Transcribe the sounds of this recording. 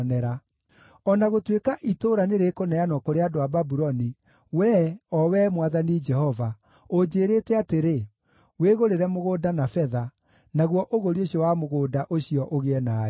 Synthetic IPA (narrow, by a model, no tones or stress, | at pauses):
nɛɾa | ɔnaɣotwekaʔitoɾaneɾekonɛanɔkoɾeadoababuɾɔni | wɛːɔwɛmwaðanid͡ʒɛhɔva | od͡ʒeːɾetɛateɾe | weɣoɾeɾɛmoɣoːdanafɛða | naɣwɔʔoɣoɾioɕiɔwamoɣoːdaʔoɕiɔʔoɣeɛna